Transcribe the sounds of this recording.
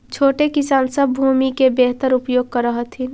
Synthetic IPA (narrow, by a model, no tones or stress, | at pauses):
t͡ʃʰoːʈekɪsaːnsəbbʱumikebeɦt̪əɾʊpjoːɡ̚kəɾːəɦət̪ʰin